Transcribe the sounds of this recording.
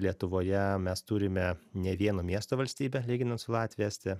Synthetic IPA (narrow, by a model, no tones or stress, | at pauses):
lʲiɛt̪ʊʋoːjɛmʲɛst̪uɾʲɪmʲɛnʲɛʋʲiɛnoːmʲiɛst̪oːʋɐlʲsʲt̪ʲiːbʲɛlʲiːɡʲɪnɐnt̪sʊlˠɑːt̪ʲʋʲiɛːsʲt̪ʲɪ